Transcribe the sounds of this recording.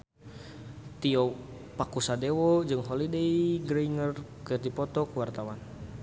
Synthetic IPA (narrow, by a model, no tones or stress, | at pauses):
t̪iɔ | pakusadewɔd͡ʒɨŋɦolidejɡɾeiŋərkərd̪ipɔt̪ɔkəwart̪awan